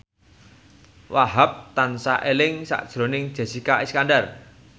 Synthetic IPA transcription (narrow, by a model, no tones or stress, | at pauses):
waɦap̚t̪ansaʔelɪŋsa̰ʔd̥ʒ̥ɾo̤nɪŋd̥ʒ̥a̤sikaiskandar